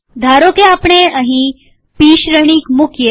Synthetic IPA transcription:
d̪ʱaːɾokeapɳeəɦĩ | piːʃɾəɽ̃ikmukʰje

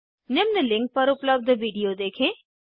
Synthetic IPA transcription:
nɪmnəlɪ̃ŋk̚pɐɾʊpləb̚d̪ʋiːɖijod̪eːkʰẽː

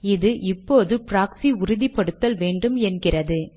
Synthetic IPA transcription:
ɪðɯʔɪpːoːðɯpɾaːksiʊɾɪðipːɐɽɯt̪ːɐlʋeːɳɖɯmɛnɡɪrɐðɯ

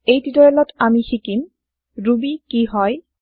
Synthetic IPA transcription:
ejtidɔɹɛlɔtamixikim | ɹubikiɦɔj

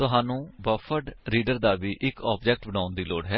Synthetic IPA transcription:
t̪ʊɦaːnũːbəfʰəʈɾiːɖəɾd̪aːʋiːʔɪkɔːpd͡ʒɛːk̚ʈbəɽ̃ãːʊnd̪iːlo̰ːɽɦɛː

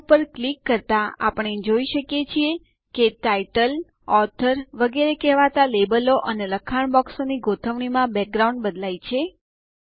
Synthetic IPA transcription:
pəɾklikːəɾt̪aa̰pəɳ̃ed͡ʒoiʃəkjet͡ʃʰie | keʈaiʈəl | ɔt̪ʰəɾʋəɡeɾekɛɦʋat̪alebəloʔəneləkʰaɳ̃bɔksoniɡot̪ʰəʋɳ̃imãbɛk̚ɡɾaũɳɖbəd̪lait͡ʃʰe

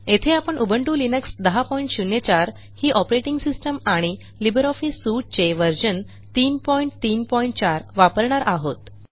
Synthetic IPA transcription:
et̪ʰeapəɳʔubʱəɳʈulinəksd̪əɦapɔiɳʈɕunjet͡ɕaɾ | hiːʔɔpɾeʈiŋɡsisʈəmaɽ̃i | libəɾɔfisːuʈ̚t͡seʋəɾd͡ʑən | t̪iːnpɔiɳʈt̪iːnpɔiɳʈ̚t͡ɕaɾʋapəɾɳaɾʔaɦot̪

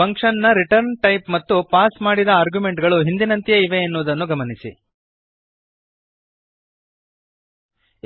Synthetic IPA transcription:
ɐŋkʂɐnːɐɾiʈɐɾnʈɐjpmɐt̪ːupaːsmaːɽid̪ɐaːɾɡjume̞ɳʈɡɐɭuɦind̪inɐnt̪ijɐiʋeenːuʋːd̪ɐnːuɡɐmɐnisḭ

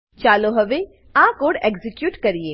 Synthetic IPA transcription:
t͡ʃaːloɦɐʋe | ãːkoːɖeːɡzɪkjuːʈkɐɾieː

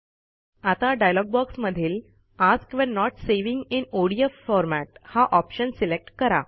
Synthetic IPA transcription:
at̪aɖajlɔɡ̚bɔksməd̪ʱiːl | askʋɛ̃nːɔʈseʋĩŋɡinoɽiəfɔɾmæʈ̚haʔɔpɕənsilek̚ʈkəɾa̰

